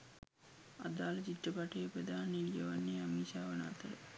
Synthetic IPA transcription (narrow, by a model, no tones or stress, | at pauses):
a̰d̪aːlət͡ʃiʈːəpaʈəjːpɾəd̪ʱaːnelijəʋanːeamiːsaːʋəna̰ːt̪ə